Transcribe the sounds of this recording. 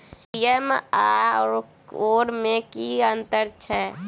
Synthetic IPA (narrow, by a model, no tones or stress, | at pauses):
ijəma | oːɾmẽkiənt̪əɾt͡ʃʰɛ